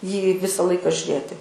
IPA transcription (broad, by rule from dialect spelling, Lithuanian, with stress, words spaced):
jiː ˈʋʲɪsɐ ˈlˠɐɪkɐ ʒʲʊˈrʲeːtʲɪ